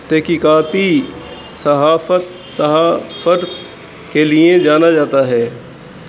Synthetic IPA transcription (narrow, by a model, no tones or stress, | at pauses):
t̪ɛɦkikaːt̪i | sɐɦaːfət̪ | sɐɦafəɾ | kelied͡ʒaːnad͡ʒaːt̪aɦɛː